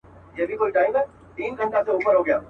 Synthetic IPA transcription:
jɛbʱikoːiʈaːɪmɛ | t̪iːnɡʱə̃ɳʈaseuːpəɾɦoɡɐjaː

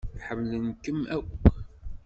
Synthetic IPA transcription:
ħəmlənkəmækʷː

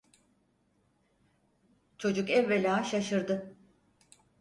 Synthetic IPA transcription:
t͡ʃʰo̞d͡ʒukɛvːelʲaːʃaʃɯɾd̪ɯ

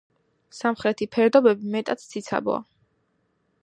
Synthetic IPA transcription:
samχɾɛt̪ʰipʰɛɾd̪ɔbɛbimɛt̪ʼat̪ʰsʰit̪sʰa̰bɔ̰a̰

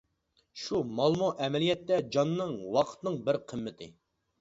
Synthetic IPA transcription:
ʃumɑlˠmɑʔɛmɛlijɛt̪ːɛd͡ʒɑnːɨŋwɑqʰə̥t̪nɨŋbɪɾqʰəmːɪt̪ʰɪ̰

